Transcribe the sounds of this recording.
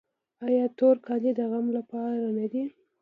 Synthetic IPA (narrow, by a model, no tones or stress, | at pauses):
ɑjɑt̪oɾkɑlid̪əɣamlapɑɾanad̪i